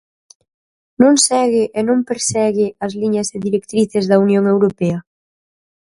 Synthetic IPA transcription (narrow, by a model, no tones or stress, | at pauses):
nõŋsɛɣɪʔenõmpeɾsɛɣɪɐzliɲɐzɪðiɾekt̪ɾiθezðɐunjoŋewɾopɛɐ